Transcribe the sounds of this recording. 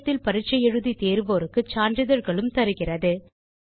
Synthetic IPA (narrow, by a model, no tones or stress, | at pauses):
t̪ːɪlpɐɾɪt͡ʃːɐjɛɻɯðit̪eːɾɯʋoːɾɯkːɯt͡ʃaːɳdɪðɐɾɣɐɭɯmt̪ɐɾɯɣɪrɐðɯ